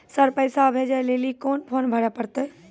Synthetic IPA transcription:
səɾpəɪsabʱeːd͡ʒaleːlikoːnpʰoːnbʱəɽapəɾt̪e

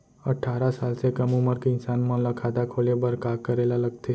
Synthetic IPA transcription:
əʈʰːaɾasalsekəmũməɾkɪnsanmãləkʰat̪akʰolebəɾkakəɾelaləkt̪e

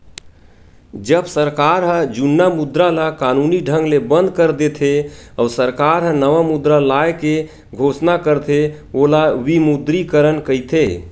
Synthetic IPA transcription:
d͡ʒəbsəɾkaɾɦəd͡ʒunːamud̪ɾalakanuniɖʱəŋɡlebə̃nd̪kəɾd̪et̪ʰeɔsəɾkaɾɦə̃nəʋamud̪ɾalaeke | ɡʱosnakəɾt̪ʰe | olawimud̪ɾikəɾənkəjt̪ʰe

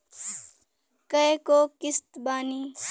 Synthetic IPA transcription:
kɐekoːkɪst̪baːniː

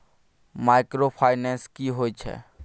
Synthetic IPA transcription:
maɪkɾopʰaːɪnɛ̃nskiɦoːit͡ʃʰɛ̰ː

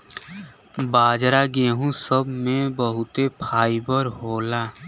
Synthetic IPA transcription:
baːd͡ʒɾaɡeːɦũsəbmẽbəɦʊt̪epʰaːibəɾɦoːlaː

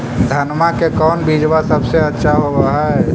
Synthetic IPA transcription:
d̪ʱənmakekɔːnbid͡ʒʋasəbseətːʃʰaɦobaɦaɦɛ

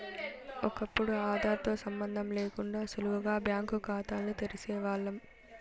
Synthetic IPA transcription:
ɔkɐpːuɽuaːd̪aːt̪o̞ːsɐmbɐnd̪ʱɐmleːkuɳɖaːsuluʋɐɡaːbjaːŋkukaːt̪aːlːit̪eɾisɛːʋaːɭːɐm

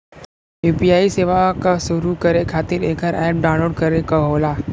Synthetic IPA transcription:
juːpiaːiseːʋakasʊɾukɐɾekʰaːt̪ɪɾeːkəɾɛːp̚ɖãːʊ̃nloːɖkɐɾekɐɦoːlaː

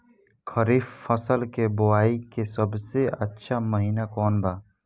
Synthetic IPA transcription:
kʰəɾiːfːəsəlkebʊwaːikesɐbseətːʃʰamɐɦiːnakɔːnbʱaː

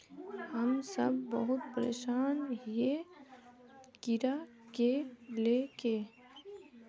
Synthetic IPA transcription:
ɦəmsəbːəɦʊt̪̚pəɾḛːʃaːnɦije | kɪɾa | keleːkeː

